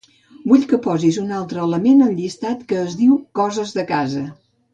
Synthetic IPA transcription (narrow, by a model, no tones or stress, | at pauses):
buʎkəpɔzizunalˠt̪ɾəːləmenənʎist̪at̪kəːzðiwkɔzəzðəkazə